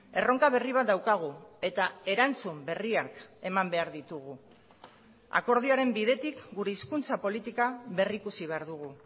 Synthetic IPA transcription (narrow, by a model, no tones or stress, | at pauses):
e̞ro̞ŋkaβ̞e̞riβ̞at̪̚d̪awkaɣ̞ue̞t̪ae̞ɾant͡sumbe̞riake̞mambe̞aɾðit̪uɣu | a̰ko̞ɾð̞iaɾe̞mbiðe̞t̪ikɡuɾe̞iskunt͡sapo̞lit̪ikaβe̞rikusiβ̞e̞aɾðuɣ̞u